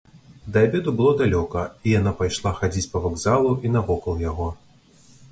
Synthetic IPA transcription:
d̪ɐabʲɛd̪ubɨlˠɔd̪alʲɔkɐijanapajʂlˠaxad͡zʲit͡sʲpɐvaɡzalˠuʔinɐvɔkɐlˠjaɣɔ

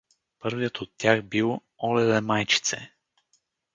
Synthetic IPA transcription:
pɤɾvijət̪ot̪ːʲjaxbilˠ | ɔlɛvɛmajt͡ʃi̥t̪sɛ̰

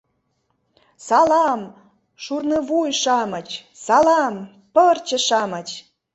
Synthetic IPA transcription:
sɑlɑm | ʃurnɤβujʃɑmɤ̆t͡ɕsɑlɑm | pərt͡ɕə̆ʃɑmət͡ɕ

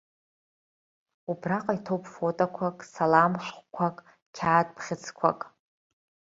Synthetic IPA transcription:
ubraqʼaitʰowpʼfotʼakʷʰakʼsalamħʷkʷʰakʼ | kʲʰaːtʼpʰχʲɪt͡sʰkʷʰa̰kʼ

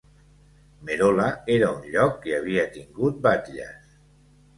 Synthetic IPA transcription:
meɾolaeɾaunʎɔkːeaβ̞iat̪iŋɡut̪̚bat̪ʎa̰s

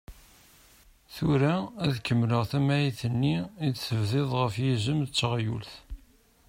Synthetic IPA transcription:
θʊɾaæðkːəmːləʁθæmæjiθənːiiθəvðɪðˤʁəfjizəmt͡sːʁjṵlθ

